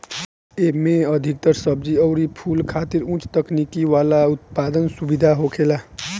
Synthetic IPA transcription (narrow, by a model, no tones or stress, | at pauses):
emẽəd̪ʱik̚t̪əɾsəb̚d͡ʒiəʊɾipʰulkʰaːt̪iɾũt͡ʃt̪əknikiʋaːlaut̪̚pad̪ənsubid̪ʱaɦokʰela